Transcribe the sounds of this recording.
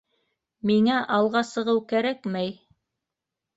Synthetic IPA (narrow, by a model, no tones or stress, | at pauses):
miŋæʔɑlˠʁɑsɤ̆ʁɤwkæɾækmæj